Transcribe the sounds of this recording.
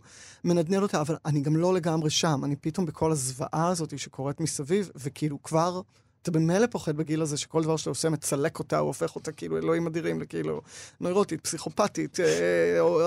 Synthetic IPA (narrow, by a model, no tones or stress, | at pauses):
me̞nadnelo̞taːvalaniɡamlo̞le̞ɡamʁeʃamanipito̞mbekʰo̞lazva̰ʔaːzo̞tiʃekʰo̞ʁetmisavivvekiilukvaʁ | at̪abe̞melepo̞χe̞d̚beɡilazeʃekold̪avaʁʃataosemet͡sale̞ko̞taoofe̞χo̞takiiluelo̞imadiʁimlekiilṵnojʁotit̚psiχo̞patiteo